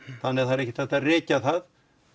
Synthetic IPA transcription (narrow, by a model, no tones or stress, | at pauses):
θanːɛ̥θaɾɛhcɪθɛht̪arɪːcaθað